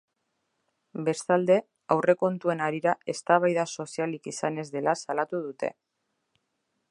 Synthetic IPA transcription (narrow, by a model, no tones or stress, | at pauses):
be̞st̪ald̪e̞ | awre̞ko̞nt̪ue̞naɾiɾae̞st̪aβ̞ajðaso̞sialikisane̞zðe̞lasalat̪uðut̪e̞̰